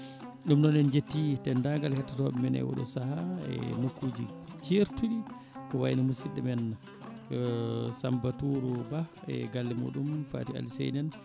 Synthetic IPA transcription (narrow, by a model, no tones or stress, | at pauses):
ɗumnɔnɛnd͡ʒetːitɛndaŋɡalhɛtːatɔɓɛmɛnɛ̰wɔ̰ɗɔ̰sahaɛ̰nokːuːd͡ʒit͡ʃeɾtuɗi | kɔwa̰jnamusiɗɛmɛnːa | sambatuːɾuba | ɛ̰ɡalːimṵːɗumfa̰ːtia̰lisɛ̰jnɛn